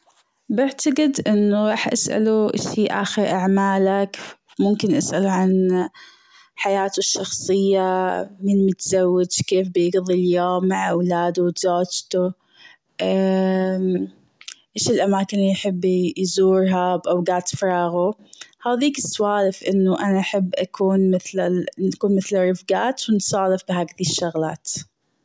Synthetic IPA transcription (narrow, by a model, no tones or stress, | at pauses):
bɪʕt̪aɡɪd̪ʔɪnːuɾˤɑːħʔa̰sʔa̰luʔa̰ʃiːʔa̰ːxɪɾʔaʕmaːlak | mʊmkɪnʔasʔaluʕan | ħajaːt̪ʊʃːɑxsˤɨjːamɪnmʊt̪zawːɪdʃkeːfbɪjɪɡðˤiljoːmːaʕawlaːd̪ut̪zoːd͡ʒt̪u | ʔa | ʔeːʃɪlʔamaːkɪnjħɪbːjzuːɾɦabʔawɡaːt̪fɾˤɑːɣuhaːðiːkɪsːʊwaːlɪfʔɪnːuʔanaʔaħɪbːʔakʰuːnmɪθlanakuːnmɪθlarˤːɪfɡaːt̪wɪnsˤɑːlɪfbɪɦaːkðiːʃːʊɣla̰ːt̪